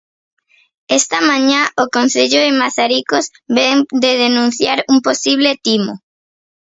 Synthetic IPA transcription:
est̪amãɲaokon̟θeʎoðɪmaθaɾikoz | βeŋd̪eðenũn̟θjaɾuŋposiβ̞let̪imo

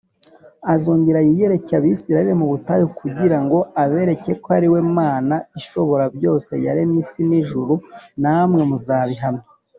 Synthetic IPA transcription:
azuːɲɟiɾajije̞ɾe̞caβiːsiɾaiɾemuβutajokʰuɟiɾaŋɡo̞aβe̞ɾe̞ce̞koaɾiwe̞maːnaiʃo̞βo̞ɾabjo̞ːse̞̰ja̰ɾenisiniʒuɾunamŋe̞muzaːβiɦamɲe

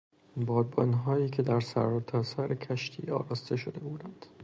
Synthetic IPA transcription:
bɒːd̪̚bɒːnɦɒːjiːkʰed̪æɾsæɾɒt̪ʰɒːsæɾekʲʰæʃt̪ʰiːɒ̰ːɾɒːst̪e̞ʃod̪ebuːd̪ænd̪̥

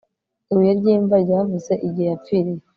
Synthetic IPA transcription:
iwijaɾɟiːɱvaɾɟavuzeʔiɟijapfiɾije

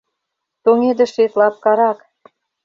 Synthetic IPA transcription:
t̪oŋed̪ĕʃet̪lɑp̚kɑɾɑk

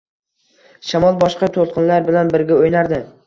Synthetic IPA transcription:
ʃamɒlˠbɒʃqɑt̪ʰolˠqʰɨnlaɾbɪlanbɪɾɡʲaojnaɾd̪ɪ

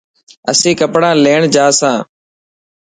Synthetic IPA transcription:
əsĩːkəpɽãːleːɳd͡ʒaːsãː

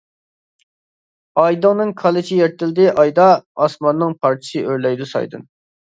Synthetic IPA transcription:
ɑjd̪ɨŋnɨŋkʰɑlˠɪt͡ʃʰijɛɾt̪ʰɪld̪ɪʔɑjd̪ɑɑsmɑnːɨŋpʰɑɾt͡ʃʰi̥sɨʔøɾlɛjd̪usɑ̰jd̪ɨ̰n

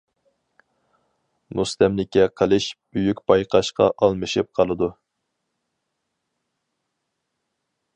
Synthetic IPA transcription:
must̪ɛmlɪkʲɛqʰəlˠɨʃb̥yjykʲbɑjqʰɑʃqɑ̰ʔɑlˠmɨʃɨp̚qʰɑlˠɨd̪u

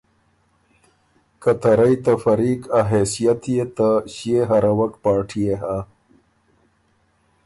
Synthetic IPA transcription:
kat̪aɾajt̪afɐɾiːkaɦesijat̪jet̪aɕijeɦaɾawɐkpɑːʈʰijeɦa

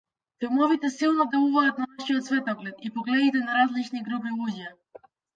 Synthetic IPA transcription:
fɛmɔvit̪ɛsilˠnɔd̪ɛlˠuvaːt̪̚nanaʃiɔt̪svɛt̪ɔɡlɛt̪ipɔɡlɛd̪it̪ɛnaɾazlit͡ʃniɡɾupilˠuɟa

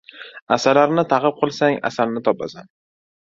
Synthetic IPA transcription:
asaɾlaɾnɪt̪ʰaqɨp̚qʰɨlˠsaŋa̰salnɪt̪ʰɒpasan

